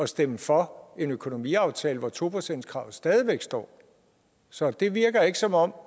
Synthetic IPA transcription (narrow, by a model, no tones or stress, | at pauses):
ɒ̽sd̥eməfɒ̽e̝nøkʰo̝no̝mḭɑ̈ʊt͡sʰɛːləʋɒt͡sʰo̝̰ːpʰʁosen̰d̥skʰʁɑ̈ʊ̰sd̥ɛːð̞ˠiʋeɡ̥sd̥ɒ̰ː | sɒ̽d̥e̝ʋiɐɡ̥ɐe̝ɡ̥əsɒ̽mɒ̽m̰